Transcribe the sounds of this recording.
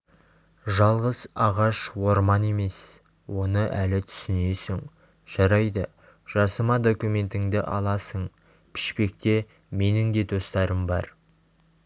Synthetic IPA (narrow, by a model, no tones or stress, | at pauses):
ʒɑlˠʁəzɑʁɑʃwo̞ɾmɑne̞me̞s | wo̞nəʔælɪt̪ʰʏ̥sɪne̞sɪŋ | ʒ̥ɑɾɑjd̪ə | ʒ̥ɑsəmɑd̪o̞kume̞nt̪ɪŋd̪ɪʔɑ̰lˠɑsəɴ | pʰɪ̥ʃpe̞k̚t̪e̞ | me̞nɪŋd̪e̞d̪o̞st̪ɑɾəmbɑ̰ɾ